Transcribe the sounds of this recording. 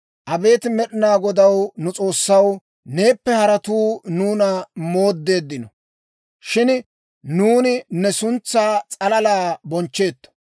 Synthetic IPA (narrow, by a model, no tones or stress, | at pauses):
ʔɐbe̞ːt̪ɪmɛɗɪnaːɡɔd̪ɐwnʊt͡sʼo̞ːsːɐw | ne̞ːpːɛhɐɾɐt̪uːnuːnɐmo̞ːd̪ːe̞ːd̪ːɪnɔ | ʃɪn | nuːnɪnɛsʊnt͡sːaːt͡sʼɐlɐlaːbɔnt͡ʃːe̞ːt̪ːɔ̥